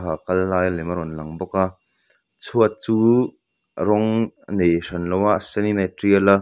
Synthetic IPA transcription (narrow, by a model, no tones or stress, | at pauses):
ɦakɐlːaːjlɛmɐɾɔnlɐŋbɔka | t͡sʰuət͡suː | ɾɔŋnejʂɐnlɔwaʔsɛnimɛtɾialɐ